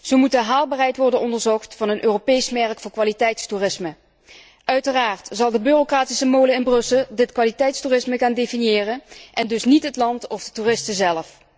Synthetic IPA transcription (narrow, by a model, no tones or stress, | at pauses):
z̥əwmutdəɦaːlˠbaːrɦɛjtʋɔɹdənɔndəɹzɔxtfɑnənʔøːropejsmɛɹkfʊːɹkʋaːlitɛjtstuːrɪsmə | ʔœɥtəraːɹtz̥ɑlˠdəbyːrokraːtisəmowləɪnbrɵsəlˠdɪtkʋaːlitɛjtstuːrɪsməɣaːndejfinjɪːrənʔɛndɵsnitɦətlɑntɔvdətuːrɪstəzɛlf